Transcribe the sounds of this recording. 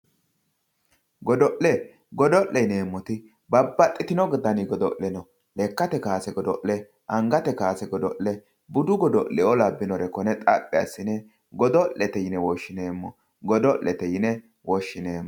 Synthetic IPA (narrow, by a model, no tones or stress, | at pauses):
ɡɔd̪ɔʔɛ | ɡɔd̪ɔʔːɛjne̞ːmːɔt̪ɪ | bɐbːɐt̪ʼːɪt̪ɪnɔɡɪd̪ɐnɪɡɔd̪ɔ̰ʔɛnɔ | lɛkːɐt̪ɛkaːsɛɡɔd̪ɔʔɛ | ʔɐŋɡɐt̪ɛkaːsɛɡɔd̪ɔʔɛ | bʊd̪ʊɡɔd̪ɔlɛɔlɐbːɪnɔɾɛkɔnɛt̪ʼɐpʼːɪɐsːɪnɛ | ɡɔd̪ɔʔːɛt̪ɛjɪnɛwɔʃːɪneːmːɔ | ɡɔd̪ɔlːɛt̪ɛjɪnɛ | wɔʃːɪneːmːɔ